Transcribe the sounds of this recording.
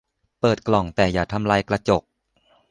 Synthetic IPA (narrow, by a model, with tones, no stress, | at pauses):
pɤː˨˩t̪̚klɔ˨˩ŋt̪ɛː˨˩jaː˨˩t̪ʰa˧mlaː˧jkla˧t͡ɕo˨˩k̚